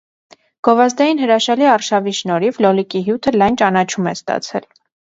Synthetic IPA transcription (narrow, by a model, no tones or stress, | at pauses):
ɡ̥ɔvɑzd̪ɑjinɦəɾɑʃɑliɑrʃɑviʃnɔɾivlɔlikiɦjut̪ʰəlɑjnt͡ʃɑnɑt͡ʃʰumɛst̪ɑ̰t͡sʰɛ̰l